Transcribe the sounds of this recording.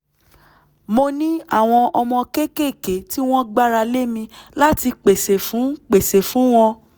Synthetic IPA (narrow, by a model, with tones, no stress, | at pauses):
mo˧nĩ˦a˦˨w̃ɔ̃˧ʔɔ˧mɔ̃˧ke˦ke˦˨ke˨˦ti˦w̃ɔ̃˦ɡ͡ba˦ɾa˧le˦mĩ˧la˦ti˧k͡pe˨se˨fũ˨˦k͡pe˨se˨fũ˨˦w̃ɔ̃˧